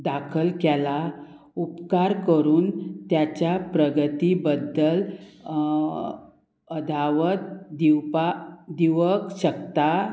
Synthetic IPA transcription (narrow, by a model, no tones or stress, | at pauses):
d̪akʰəlkɛla | upkaɾkəɾuːnt̪jat͡ɕjapɾəɡət̪ibəd̪ːəl | əd̪ʱaʋət̪̚d̪iwpad̪iʋəkɕəkt̪a